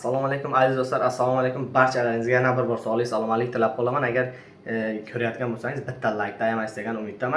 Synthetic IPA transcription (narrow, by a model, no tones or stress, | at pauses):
asːalˠɒmalekʰʊmazɪzd̪ost̪aɾasːalˠɒmalekʰʲʊmbaɾt͡ʃʰalaɾɪŋɪzɡʲajanabɪɾbɒɾsɒwɒlˠɪsalˠɒmalɪk̚ʲt̪ʰɪlap̚qʰɒlamanaɡʲaɾ | kʲʰɵɾajat̪̚ɡʲanbosaŋɪzbɪt̪ʰːalajk̚ʲt̪ajamasd̪eɡʲanʊmɪt̪̚d̪aman